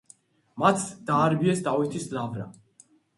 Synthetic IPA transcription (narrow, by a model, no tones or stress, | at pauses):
mat̪ʰd̪̥aːɾbiɛsd̪avit̪ʰislavɾa̰